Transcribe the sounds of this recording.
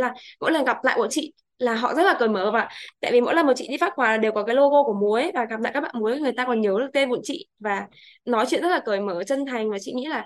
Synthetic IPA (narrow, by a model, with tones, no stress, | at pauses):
laː˨˩mo̰˧˥jlə˨˩nɣa˨˩p̚la̰ː˧˨jko˧˩t͡ɕḭ˧˨ | laː˨˩ɦɔ̰˧˨zə˦˥t̚laː˨˩kəː˨˩jməː˧˩va̰ː˧˨t̪a̰ː˧˨jvi˨˩mo̰˧˥lm̚˨˩t͡ɕḭ˧˨ɗi˧faː˦˥t̚xwaː˨˩laː˨˩ɗe˨˩wkɔ˨˦kaː˨˦jlo˧ɣo˧kəmu˨˦əjvaː˨˩ɣa˨˩p̚la̰ː˧˨kaː˦˥ɓa̰ː˧˨mu˨˦jŋɨ˨˩əjt̪aː˧kɔ˨˩nɲə˨˦wɗɨ˦˩t̪e˧nvṵ˧˨nt͡ɕḭ˧˨vaː˨˩ | nɔ˨˦jt͡ɕwḭ˧˨nztlaː˨˩kəː˨˩jməː˧˩t͡ɕə˧nt̪ʰa˨˩jŋ̟vaː˨˩t͡ɕḭ˧˨ŋḭ˧˥laː˨˩